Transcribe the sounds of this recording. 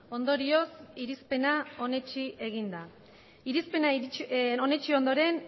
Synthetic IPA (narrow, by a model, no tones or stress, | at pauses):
o̞nd̪o̞ɾio̞siɾispe̞nao̞ne̞t͡ʃiʔe̞ɣ̞ind̪a | iɾispe̞nao̞ne̞t͡ʃio̞nd̪o̞ɾe̞n